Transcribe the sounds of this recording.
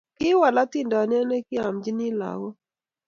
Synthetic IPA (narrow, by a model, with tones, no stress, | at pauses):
kɪ˦wa˨la˦t̪ɪ˦ndɔ˨n˦ɛ˦nɛ˦kɪ˦a˨md͡ʒi˦nɪ˦la̰˨ɡɔ˦